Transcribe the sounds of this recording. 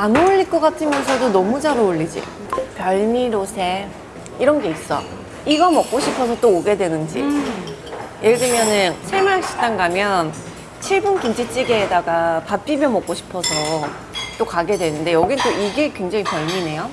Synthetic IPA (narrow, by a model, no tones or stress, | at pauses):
anouɭːik͈ʌk͈atʰɯmjʌnsʰʌdonʌmud͡ʑaɾouɭːid͡ʑḭ | pjʌɭmiɾosʰe̞ | iɾʌnɡe̞is͈ʌ̰ | iɡʌmʌk͈̚oɕʰipʰʌsʰʌt͈oːɡe̞dwe̞nɯnd͡ʑḭ | jʔeɡdɯmjʌnɯnsʰemaɭak̚ɕ͈i̥t͈aŋɡamjʌn | t͡ɕʰiɭbunkind͡ʑʰit͡ɕ͈iɡeːdaɡapap͈imjʌnmʌk͈oɕʰi̥pʰʌsʰʌ | t͈okaɡe̞dwe̞nɯnde̞jʌɡint͈oiɡekwe̞ŋd͡ʑaŋipjʌɭmine̞jo